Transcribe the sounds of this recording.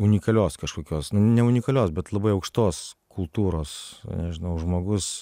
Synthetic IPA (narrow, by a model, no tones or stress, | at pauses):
ʊnʲɪkɐlʲoːskɐʃkoːkʲoːsnʊnʲɛʊnʲɪkɐlʲoːsbʲɛt̪lˠɐbɐɪɐʊkʃt̪oːskʊlˠt̪uːɾoːsnʲɛʒʲɪnɐʊʒmoːɡʊs